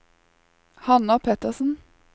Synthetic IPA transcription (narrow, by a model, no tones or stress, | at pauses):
hɑnɑpʰɛt̪əsn̩